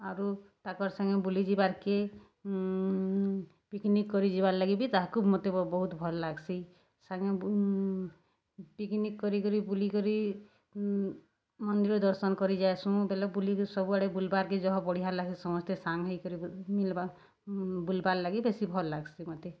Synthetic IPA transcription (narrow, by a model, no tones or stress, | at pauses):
aɾut̪akɔɾsaŋɡɔbulid͡ʒibaɾke | piknikːɔɾid͡ʒibaɾlaɡibit̪aɦakumot̪ebɔɦut̪bʱɔlːaɡsi | saŋɔ | piknikːɔɾikɔɾibulikɔɾi | mɔnd̪iɾɔd̪ɔɾsɔnkɔɾid͡ʒaesuũbelɔbuliksɔbuaɽebulbaɾked͡ʒɔɦɔ̃bɔɽiɦallakisɔmɔst̪esaŋɦɔjkɔɾimilba | bulbaɾlaɡibesibʱɔlːaɡsimot̪e